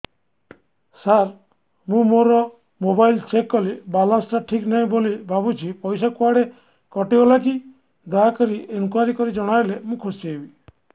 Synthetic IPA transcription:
saɾ | mũmoɾɔ | mobajlt͡ʃekːɔlibalansʈaʈʰiknaĩbolibʱabut͡ʃʰipɔjsakuaɽe | kɔʈiɦɔlaki | ɖaakɔɾiʔenkuaɾikɔɾid͡ʒɔɽ̃ajlemũkʰosiebi

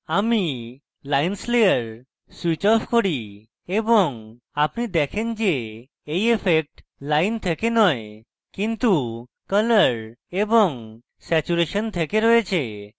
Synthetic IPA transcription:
ami | lainslejəɾ | swit͡ʃɔfkɔɽi | ebɔŋ | apnid̪ɛkʰend͡ʒeː | jefʰek̚ʈ | lajnt̪ʰekenɔe | kint̪u | kələɾebɔŋ | sɛt͡ʃuɾeʃənt̪ʰekeɾɔet͡ʃʰe

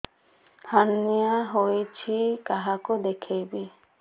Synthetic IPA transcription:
haniaɦojt͡ʃʰikaɦakud̪ekʰejbi

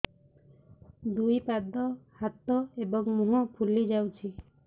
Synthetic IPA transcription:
d̪ujpad̪ɔhat̪ɔebɔŋmuɦɔ̃pʰulid͡ʒawt͡ʃʰi

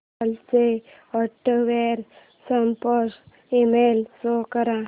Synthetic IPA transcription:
lse | əʈːʋeɾ | səmpəs | emelsokəɾã

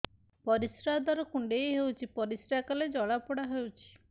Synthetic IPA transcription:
pɔɾisɾad̪ʱaɾɔkuɳɖejɦewt͡ʃʰipɔɾisɾakaled͡ʒɔɭapɔɽaɦewt͡ʃʰi̥

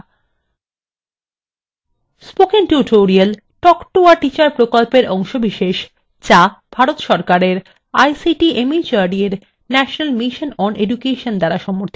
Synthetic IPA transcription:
spokeŋʈuʈʰoɾial | ʈɔkʈuaʈit͡ɕaɾpɾokolpeɾʔɔŋʃobiʃeʃ | t͡ɕab̥ʱaɾot̪ʃɔɾkaɾeɾ | ajsiʈiemit͡ɕaɖieɾ | nɛʃonalmiʃonɔnedukeʃond̪aɾaʃɔmoɾt̪ʰi

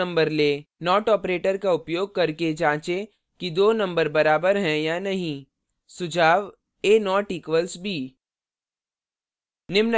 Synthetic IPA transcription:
ɐ̃mbəɾleːnɔːʈɔːpɾeːʈəɾkaʊpjoːɡ̚kɐɾked͡ʒãːt͡ʃẽ | kid̪oːnɐ̃mbəɾbɐɾaːbəɾɦɛ̃janɐɦĩ | sʊd͡ʒʱaːʋ | eːnɔːʈiːkʋəlsbʱiː | nɪmnə

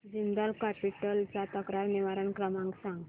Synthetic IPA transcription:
d͡ʑind̪əlkapiʈəlt͡sat̪əkɾaɾniʋaɾəɳkɾəmãŋksãŋɡ

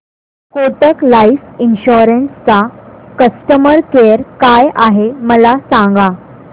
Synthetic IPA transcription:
koʈəklaifinɕoɾənst͡sakəsʈəməɾkejəɾkajʔaɦeməlasãŋɡa

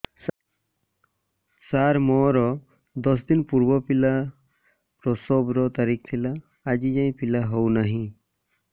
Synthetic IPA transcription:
saɾmɔɾɔ | d̪ɔs̬d̪inpuɾbɔpila | pɾɔsɔbɾɔt̪aɾik̚ʰt̪ʰilaː | d͡ʒid͡ʒaj̃pilaɦownaɦĩ

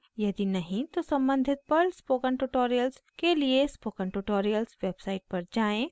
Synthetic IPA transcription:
jɐd̪inɐɦĩt̪osɐ̃mbə̃nd̪ʱɪt̪̚pɐɾspoːkə̃ɳʈuʈoːɾijəlskeliespoːkə̃ɳʈuʈoːɾijəlsʋeːbsaːɪʈ̚pɐɾd͡ʒaːẽː

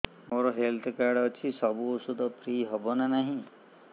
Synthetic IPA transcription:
moɾɔɦelt̪ʰkaɾɖɔt͡ʃʰisɔbuːsud̪ʱɔpʰɾiɦɔbɔnanaɦĩ

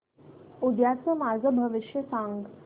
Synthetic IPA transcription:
ud̪jat͡səmaɡʱəbʱəʋiʃjəsãŋɡ

